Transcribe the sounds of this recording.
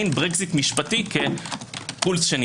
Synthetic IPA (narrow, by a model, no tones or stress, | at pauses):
jnbʁekzit̪miʃpatike | pulsʃen